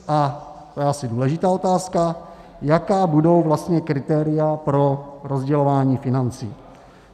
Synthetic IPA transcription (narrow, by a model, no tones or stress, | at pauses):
ʔat̪ojɛʔasɪduːlɛʒɪt̪aːo̞t̪aːska | jakaːbudo̞wvlast̪ɲɛkɾɪt̪ɛːɾɪjapɾo̞ɾozɟɛlo̞vaːɲiːfɪnant͡sḭː